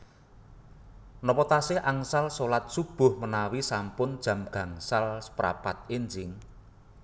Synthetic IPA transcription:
nɔpɔt̪asɪhʔaŋsalsolat̪̚sub̥ʊ̤hmənawisampʊnd̥ʒ̥ä̤mɡ̥ä̤ŋsalsə̥pɾa̰pat̪̚end͡ʒɪŋ

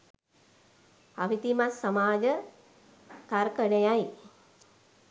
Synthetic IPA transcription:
aʋit̪imasːamaːd͡ʒə | k̪aɾkənejaj

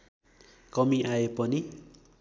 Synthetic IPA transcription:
kʌmiʔaepʌni

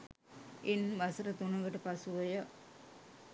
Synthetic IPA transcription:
enʋɐsəɾət̪unɐʋəʈəpasuʋɐjə

